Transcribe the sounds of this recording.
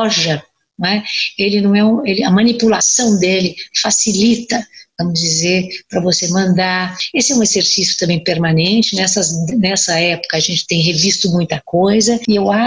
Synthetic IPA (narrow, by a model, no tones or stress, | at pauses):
ʒɐ | nɛelɪnɐ̃w̃ɛũelɪɐmɐ̃nipulasɐ̃w̃d̪elɪfasilit̪ɐvɐ̃mʊzd͡ʒizeɾpɾɐvosemɐ̃nd̪aɾesɪɛũezeɾsisjʊ̥t̪ɐ̃mbẽj̃peɾmanẽnt͡ʃɪnɛsɐzd̪nɛsɐɛpʊ̥kɐaʒẽnt͡ʃɪ̥t̪ẽj̃ɦevist̪ʊmũj̃t̪ɐkojzɐɪewa